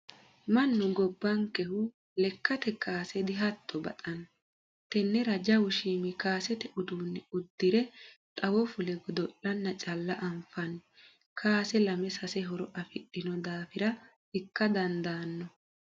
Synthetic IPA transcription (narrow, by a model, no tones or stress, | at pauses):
mɐnːʊɡɔbːɐŋkɛhʊ | lɛkːɐt̪ɛkaːsɛd̪ɪɦɐt̪ʰːɔbɐ̰t̪ʼɐn | t̪ɛnːɛɾɐd͡ʒɐwʊʃiːmɪkaːsɛt̪ɛʔʊd̪uːnːɛʊd̪ːɪɾɛt̪ʼɐwɔfʊlɛɡɔd̪ɔʔɐnːɐt͡ʃʼɐlːɐʔɐmfɐn | kʰaːsɛlɐmɛsɐsɛɦɔɾɔʔɐfɪɗːɪnɔd̪aːfɪɾɐ | ɪkːɐd̪ɐnd̪aːnːɔ